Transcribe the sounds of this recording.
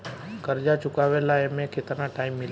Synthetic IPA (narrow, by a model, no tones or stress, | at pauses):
kəɾd͡ʒat͡ʃukaʋelaemekʰet̪ənaʈaimːil